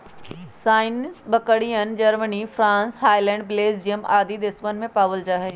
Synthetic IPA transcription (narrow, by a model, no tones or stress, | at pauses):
saːɪnɪsbɐkəɽijənd͡ʒɐɾmənifʰɾãːnshaːjlɛ̃ːɳɖ̚bleːsd͡ʒijəmaːd̪id̪ɪsmənmẽpaːʋəld͡ʒaːɦe